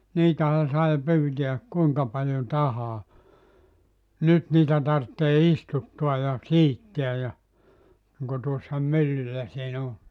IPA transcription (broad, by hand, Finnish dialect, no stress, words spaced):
niːtæhæ sɑi pyːtiæk kuiŋkɑ pɑljo tɑhɑː nyt niːtæ tɑrtːeː istutːuɑ jɑ siːtːiæ jɑ niŋko tuosːɑ mylːylːæ siːn o